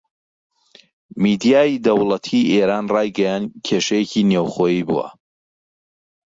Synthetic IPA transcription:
mid̪ijaːjid̪ɐwlˠɐt̪ʰiʔeːɾaːnrɑːjɡɐjaːncʰeʃɐjeciːnewχoːjiːbṵwɐ̰

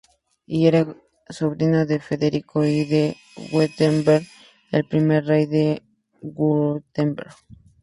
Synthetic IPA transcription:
ieɾa | soβɾinoðe̞fe̞ðeɾikoiðe | ɣwet̪embeɾ | ḛlpɾime̞ɾrejðe | ɣut̪embeɾ

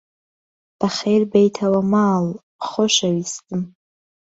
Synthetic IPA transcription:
d̥aχʲejrbejtʰawamaːl | χʊʃaɥistʼɨm

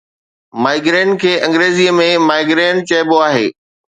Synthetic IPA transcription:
maːɪɡɾeːnkʰeːʔɐ̃ŋɡɾeːziːəmẽmaːɪɡɾeːn̚t͡ɕɐːɪboaːɦḛː

